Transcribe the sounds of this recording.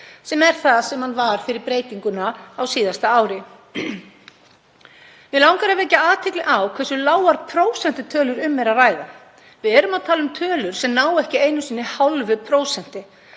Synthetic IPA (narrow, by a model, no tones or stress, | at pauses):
sɛmɛɾ̥θaðsɛmhanvaɾ̥fɪɾɪɾpɾeːjt̪iŋkʏnaawsiːðast̪aaːwɾɪ | vɪlawŋkaɾavɛcaaːt̪ʰɪklɪʔawkʰvɛsʏlaːwaɾpʰɾoːwsɛn̥t̪ɪt̪ʰœːlʏɾʏmːɛɾaraːjða | vɪðɛːɾʏmaðt̪ʰaːlʏmt̪ʰœːlʏɾ̥sɛmnaːwɛhcɪeːjnʏsiːnːɪhawlvɪpʰɾoːwsɛn̥t̪ɪ